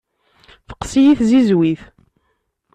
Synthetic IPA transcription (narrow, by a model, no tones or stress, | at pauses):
fə̥qsijiθzizwiθ